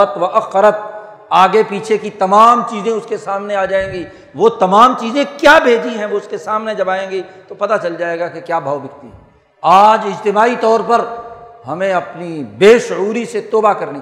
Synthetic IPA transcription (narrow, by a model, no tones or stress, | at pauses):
ət̪ʋɐʔɐqːəɾət̪̚ | aːɡepiːt͡ʃʰekit̪ɐmaːmt͡ʃiːzẽʊskesaːmneaːd͡ʒaːẽːɡiː | ʋoːt̪ɐmaːmt͡ʃiːzẽkjaːbʱeːd͡ʒiɦɛ̃ʋoʊskesaːmned͡ʒɐbaːẽːɡit̪opɐt̪at͡ʃɐld͡ʒaːeːɡakekjaːbʱaːʋbɪkt̪iɦɛ̃ | aːd͡ʒɪd͡ʒt̪ɪmaːit̪ɔːɾpɐɾɦɐmẽɐpnibeːʃʊuːɾiset̪oːbakɐɾni